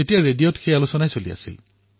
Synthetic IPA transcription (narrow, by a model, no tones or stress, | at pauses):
etijaɹedijotxejalosɔnajsolia̰sḭl